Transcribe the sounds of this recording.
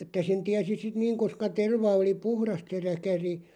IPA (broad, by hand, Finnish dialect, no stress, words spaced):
etːæ sen tiæsi sit niːŋ koskɑ terʋɑ oli puhrɑst se rækæri